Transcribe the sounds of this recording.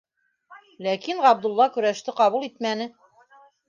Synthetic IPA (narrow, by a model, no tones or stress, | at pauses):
lækinɑb̚d̪ŭlˠːɑkɵ̆ɾæʃt̪ɘqɑβulˠit̪mænɘ